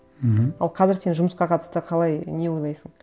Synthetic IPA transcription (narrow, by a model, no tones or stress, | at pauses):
ɦ̩ɑlˠqʰɑzɪɾse̞nʒʊməsqɑqʰɑt̪ə̥st̪əqʰɑlˠɑjne̞wo̞jlˠɑjsəɴ